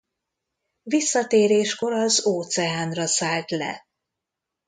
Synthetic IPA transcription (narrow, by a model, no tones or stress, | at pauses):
visːɒt̪eːɾeːʃko̞ɾɒzoːt̪sɛaːnrɒsaːlt̪lɛ̰